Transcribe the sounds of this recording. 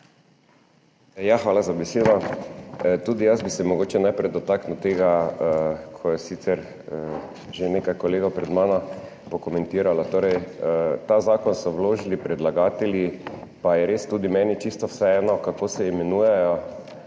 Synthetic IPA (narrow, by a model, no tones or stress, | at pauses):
jaxʋaːlazabɛseːd̪ɔ | t̪uːd̪ijazbisɛmɔɡoːt͡ʃɛnajpɾɛjd̪ɔt̪aknot̪eːɡa | kʰɔjɛsit̪sɛɾ | ʒenekajkɔleːɡapɾɛd̪maːna | pɔkɔmɛ̃nt̪iːɾalat̪oːɾɛjt̪aːzaːkɔnsɔwloːʒilipɾɛd̪laɡaːt̪ɛlipajɛɾest̪uːd̪imɛːnit͡ʃist̪ɔwsɛɛːnɔkakoːsɛimɛnuːjɛjɔ